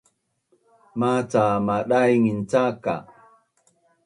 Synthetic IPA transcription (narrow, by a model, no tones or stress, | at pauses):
mat͡samaɗajŋint͡saka̰